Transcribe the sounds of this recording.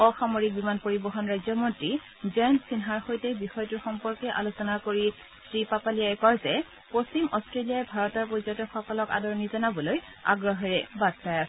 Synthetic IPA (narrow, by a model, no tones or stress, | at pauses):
ɔxamoɹik̚bimanpoɹibɔɦɔnɹajzɔmɔntɹi | zɔjnsinɦaɹxojtɛbixɔjtuɹxɔmpɔɹkɛʔa̰losɔnakoɹi | sɹipapalijaɛkɔɹzɛ | post͡ɕimɔstɹeliajɛbʱaɹɔtɔɹpozɔtɔxɔkɔlɔka̰dɔɹnizɔnabɔloj | a̰ɡɹɔɦɔɹɛbad̚taj